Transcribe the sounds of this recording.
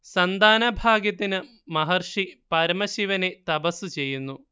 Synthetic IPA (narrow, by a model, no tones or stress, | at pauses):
sɐnd̪aːnɐbʱaːɡjɐt̪ːinɨ | mɐɦɐrʂipɐɾmɐɕiʋɐne̞t̪ɐbɐsːut͡ɕe̞jːunːu